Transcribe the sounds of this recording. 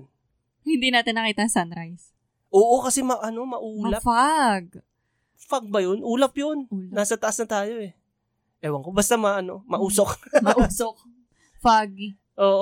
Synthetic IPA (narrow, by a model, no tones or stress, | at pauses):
n | hɪnd̪inaːt̪ɪnːɐkiːt̪ɐsanɾajs | ʔoːʔo̞kɐsɛmɐʔɐno̞mɐʔuːlɐfaɡ̚ | faɡ̚bɐjonʔuːlɐpjonːaːsɐt̪ɐʔasnɐt̪aːjo̞ɛ | ʔɛwɐŋkobɐst̪amɐʔɐno̞̰mɐʔuːsokmɐʔuːsok̚ | faɡ̚ | ʔoːʔo